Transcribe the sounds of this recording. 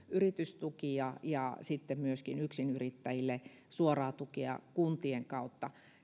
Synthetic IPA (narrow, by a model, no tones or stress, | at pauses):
ʔyrit̪yst̪ukiɑjɑ̰sit̪ːemmyøskinyksinyrit̪ːæjilːe | suorɑːt̪ukiɑ̰kunt̪ieŋkɑut̪ːɑ